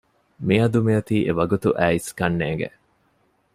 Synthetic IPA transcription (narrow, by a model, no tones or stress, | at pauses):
miɐd̪umiɐt̪iːʔeʋɐɡut̪uʔæːiskɐnːeːŋɡḛ